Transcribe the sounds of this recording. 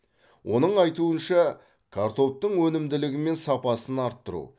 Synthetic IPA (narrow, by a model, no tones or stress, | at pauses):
wʔo̞nəɴɑjt̪uənʃɑ | kʰaɾt̪o̞p̚t̪əɴwɵnɪmd̪ɪlɪɡʲɪme̞nsɑpɑsənɑɾt̪ːəɾṵ